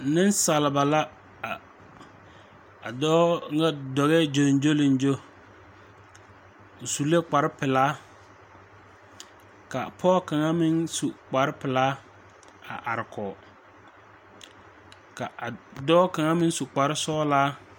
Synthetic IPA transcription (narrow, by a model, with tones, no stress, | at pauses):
nɪ˦nsa˨lɪ˨ba˨la˦˨ | a˨dɔː˦ŋ˦ɡa˦dɔ˨ɣɛ˦d͡ʒo˨n˦d͡ʒo˦lɪ˨n˦d͡ʒo˦˨ | su˨le˦k͡pa˨ɾɪ˦pɪ˨laː˦ | ka˨pʰɔː˦˨ka˨ŋa˦mɪ˦nsu˨k͡pa˨ɾɪ˦pɪ˨laː˦ | a̰˨ʔa˨ɾɪ˨kʰɔ˨ | ka˨dɔː˦ka˨ŋa˦mɪ˦n˦su˨k͡pa˨ɾɪ˦sɔː˦laː˦